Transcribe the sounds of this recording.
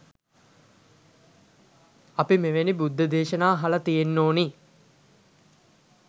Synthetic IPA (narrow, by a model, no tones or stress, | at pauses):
ɐpimeʋenibud̪ʱːɐd̪eːʃɐnaːɦɐlɐt̪ijenːoːni